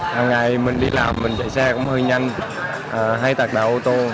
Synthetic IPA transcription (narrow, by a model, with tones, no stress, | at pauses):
haː˨˩ŋːa˨˩jmï˨˩ŋ̟ɗi˧laː˨˩mːï˨˩ŋ̟t͡ɕə̰˧˨˩jsaː˧kʊ̰˧˥ŋ͡mhəː˧jɲa˧jŋ | ʔəː˨˩ɦa˧jt̪aː˨˩k̚ɗaː˨˩ʔo˧t̪o˧